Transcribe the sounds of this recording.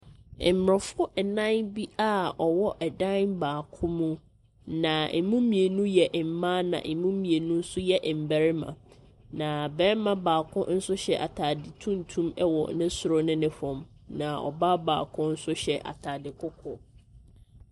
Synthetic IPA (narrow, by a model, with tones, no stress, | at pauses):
m̩˨mɾɔ˨fʊ˦ɛ˨nã˦nbi˦a˦˨ɔ˨wɔ˦ʔɛ˨dã˦nbaː˨kʰʊ̃˦mũ˦ | nã˨e˨mũ˦mĩ˨e˨nũ˦jɛ˨ʔm̩˨mã˦nã̰˨ʔe˨mũ˦mĩ˨e˨nũ˦n̩˦sʊ˦jɛ˦ʔm̩˨bæ˨ɾɪ˦mã̰˨ | nã˨bɛ˦mã˦baː˨kʰʊ̃˦n̩˦sʊ˦ɕɛ˨ʔa̰˨tʰa˨dɪ˨tʰũ˦n˨tʰũ˦mɛ˦wɔ̰˨nɪ̃˦sʊ˨ɾʊ˦nɪ̃˦nɪ̃˦hɔ̃˨m | nã˨ɔ̰˨ba˦ba̰ː˨kʰʊ̃˦n̩˦sʊ˦ɕɛ˨ʔa̰˨tʰaː˨dɪ˨kʰʊ˦kʰʊ˨